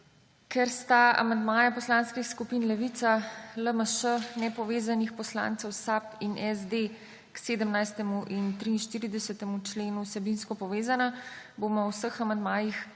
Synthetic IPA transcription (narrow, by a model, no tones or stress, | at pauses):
kʰɛɾst̪aa̰mand̪maːjapɔslaːnskixskupiːnlɛʋiːt̪saləməʃənɛpɔʋeːzanixpɔsla̰ːnt̪sɛwsapinʔɛzd̪e | kseːd̪əmnajst̪ɛmuʔint̪ɾiːnʃt̪iːɾid̪ɛsət̪ɛmut͡ʃleːnusɛbinskɔpɔʋeːzana | bomɔwsəxamand̪maːjix